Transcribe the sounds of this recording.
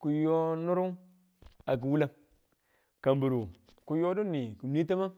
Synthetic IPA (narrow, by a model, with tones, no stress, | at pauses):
ku˨jo˦nu˦ɾu˦ | a˨k̬i˨wu˦la˦ | ka˨mbu˨ɾu˨ | ku˨jo˦du˦nːi˨ku˨mni˦ta˦ma˦